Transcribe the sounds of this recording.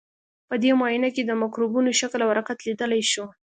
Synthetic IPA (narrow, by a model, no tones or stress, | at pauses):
pəd̪emɑjinaked̪əmakɾubunoʃaklawaɾɑqat̪lid̪əlajʃu